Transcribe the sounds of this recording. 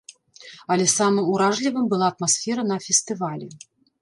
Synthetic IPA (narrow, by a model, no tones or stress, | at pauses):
ɐlʲɛsamɨmuɾaʐlʲivɨmbɨlˠaɐt̪̚masʲfʲɛɾɐn̪ɐfʲɛst̪ɨvalʲɛ